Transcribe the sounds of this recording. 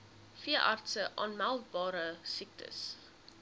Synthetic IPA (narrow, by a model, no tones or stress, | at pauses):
fiəʔɑrtsəʔɑnmælˠd̚bɑːɾəsik̚tʰə̰s